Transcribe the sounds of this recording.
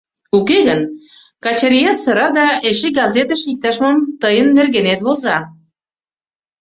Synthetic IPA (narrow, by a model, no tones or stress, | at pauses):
ukeɣən | kɑt͡ɕeɾʲijɑt̪sə̆ɾɑd̪ɑeʃeɡɑzet̪əʃjik̚t̪ɑʃmɑmt̪əjənːerɣenet̪βolzɑ